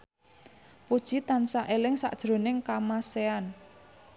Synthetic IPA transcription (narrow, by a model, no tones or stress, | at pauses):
pud̥ʒ̥it̪ansaʔelɪŋsa̰ʔd̥ʒ̥ɾo̤nɪŋkamasean